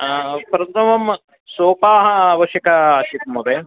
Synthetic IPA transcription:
pɾɐt̪ɐmɐm | soːpaːɦɐːʋɐʃjɐkɐʃit̪̚mɐbe

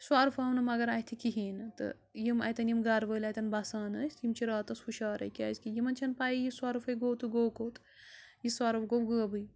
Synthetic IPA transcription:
swaːɾfaːwnɐmɐɡɐɾɐt̪ʰikiɦiːnɨt̪ɨ̰ | jimɐ̰jt̪ɐnjimɡɐɾʋəːlʲɐjt̪ɐnbasaːnɐsʲt̪jimt͡ʃʰiɾaːt̪ɐsxuʃaːɾɐ̰jkʲa̰ːzkijimɐnt͡ʃʰɐnpaːjijiswaːɾɨfɐjɡoːt̪ɨɡoːkot̪ | jiswaːɾɐfɡowɡɨːɐbɨj

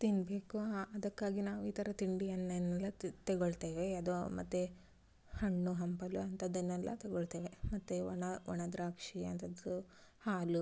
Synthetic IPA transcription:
t̪inɖbeːkuɐd̪ɐkːaːɡinaːʋuiːt̪ʰɐɾɐt̪iɳɖiɐnːɐnːɛlːɐt̪eɡoɭt̪eːʋeɐd̪umɐ̰t̪ːe | hɐɳːuɦɐmpɐluɐnt̪ɐd̪ːɐnːɛlːɐ̰t̪eɡoɭt̪eːʋemɐt̪ːeɐnɐʋɔɳɐd̪ɾaːkʂiɐ̰nt̪ʰɐd̪uhaːlu

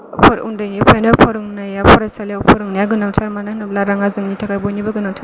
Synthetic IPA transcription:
pʰɾṵndɯjnipʰajnapʰɔɾɯŋnajapʰɔɾajsaljawpʰɔɾɯŋnajaɡɯnaŋtʰaɾmananɯlaɾaŋazɯŋnitʰakʰajbɔjnibaɡɯnaŋtʰa

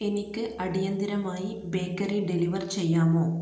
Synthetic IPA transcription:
e̞nikʲːɨʔʔɐɽijɐnd̪iɾɐmaːji | be̞ːkːɐriɖeliʋɐrt͡ɕe̞jːaːmo̞ː

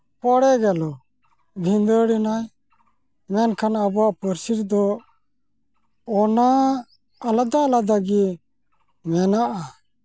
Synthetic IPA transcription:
pɔɽɛɡɛlɔ | bʱind̪əɽinaj | mɛnkʰanabɔaʔpəɾsiɾd̪ɔ | ɔnaː | lad̪alad̪aɡi | mɛnaʔa

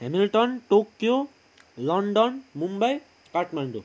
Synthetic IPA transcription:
hɛmilʈɔnʈokːjo | lɔɳɖɔnmumbaj | kaɾʈmaɳɖu

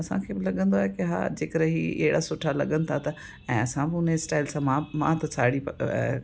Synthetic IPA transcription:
ɐsã̰kʰeːbɪlɐɠə̃nd̪oaːɦekɪɦa̰ːd͡ʑeːkəɾəɦiɐ̰ɦɪɽasʊʈʰalɐɠənɪt̪ʰat̪ɐ | ɛ̃ːɐsãbɪʊnesʈaːɪlsãmãmã̰ːt̪ɐsʰaːɽipɐ

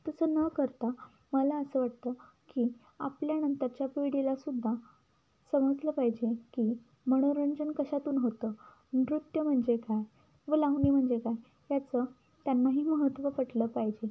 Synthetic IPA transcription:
t̪əsəːnəkəɾt̪a | məlaəsəːʋaʈ̚t̪əː | kiː | a̰pljanənt̪əɾt͡ɕjapeɽilasud̪ʱːa | səməd͡zləːpaɦd͡ʑekiː | məɽ̃oɾəɲd͡zənkəɕat̪uːnɦot̪əː | ɾut̪jəm̤əɳd͡zekaj | ʋəlaɦniːm̤əɳd͡zekaj | jat͡səː | t̪janːaɦiːməɦət̪ʋəpəʈləːpaɦid͡ʑe

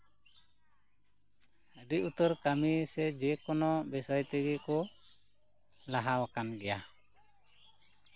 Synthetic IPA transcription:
ədiʔut̪ɔɾkamisɛd͡ʒɛkɔnɔbɛsɔjt̪ɛɡɛkɔ | laɦawakanɡɛja

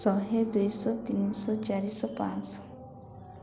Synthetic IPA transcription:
sɔɦed̪ujsɔt̪inisɔt͡ʃaɾisɔpãt͡s

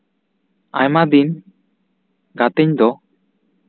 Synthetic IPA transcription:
a̰jmad̪in | ɡat̪ɛɲd̪ɔ

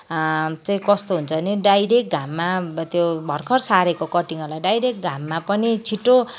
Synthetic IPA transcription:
t͡saĩkʌst̪oɦunt͡sʰʌniɖajɾek̚ɡʱamːat̪jobʱʌrkʰʌrsaɾekokʌʈiŋʌrlajɖajɾek̚ɡʱamːapʌnit͡sʰiʈːo

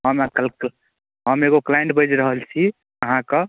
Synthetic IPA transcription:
ɦəmkl | ɦəmeɡoklajẽɳʈ̚bəd͡ʒɾəɦəlt͡ʃʰi | əɦãkə

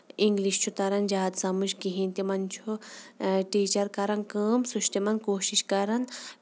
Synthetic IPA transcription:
iŋɡliʃt͡ʃʰut̪ɐɾɐnd͡ʒaːd̪sɐmuʃkiɦĩnt̪imɐnt͡ʃʰu | ʈiːt͡ʃɐɾkɐɾɐnkəːmsuʃt̪imɐnkoːʃiʃkɐɾɐn

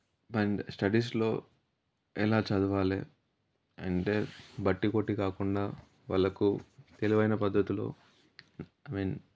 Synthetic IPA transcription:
bɐɳɖsʈɐɖiːs̬lo̞ː | ɛlaːt͡ʃɐd̪uʋaːlḛː | ɐ̰ɳʈeːbɐʈːikoʈːikaːkuɳɖaː | ʋɐ̰lːɐkut̪eliʋɐjnɐpɐd̪ʱːɐt̪ulo̞̰ː | ɐmiːn

